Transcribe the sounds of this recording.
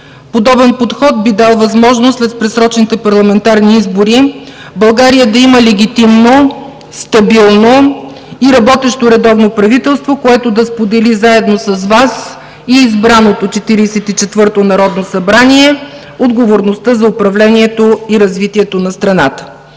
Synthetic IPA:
pod̪ɔbɛnpot̪xɔt̪̚bid̪alˠvɐzmɔʒnoslɛt̪pɾɛsɾɔt͡ʃnit̪ɛpɐɾlˠɐmɛnt̪aɾniizboɾi | bɐlˠɡaɾijəd̪ɐiməlɛɡʲit̪imno | st̪ɐbilˠno | iɾɐbɔt̪ɛʃt̪oɾɛd̪ɔvnopɾɐvit̪ɛlˠst̪vokoɛt̪od̪ɐspod̪ɛlizaɛd̪nosɐzvas | iːzbɾanot̪ot͡ʃɛt̪iɾiːsɛt̪it͡ʃɛt̪vɤɾt̪onɐɾɔd̪nosɐbɾaniɛ | od̪ɡovoɾnost̪əzɐʊpɾɐvlɛniɛt̪oiɾɐzvit̪iɛt̪onɐst̪ɾɐnat̪ə̥

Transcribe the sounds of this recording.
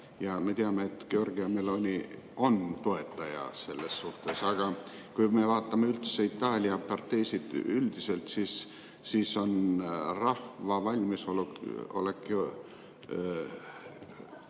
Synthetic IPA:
jɑme̞t̪iɑmeet̪ɡ̥eo̞rɡiɑmelonʲi | o̞nt̪o̞e̞t̪ːˑɑjɑ̰se̞lːe̞sːuht̪e̞sɑɡ̥ɑ | kujme̞vɑːt̪ːˑɑmeylt̪seit̪ːˑɑːlʲiɑpɑrt̪ːe̞jsit̪yld̪̥ise̞lt̪sisː | iːso̞nrɑhvɑvɑlʲmisoluo̞̰lekːˑo

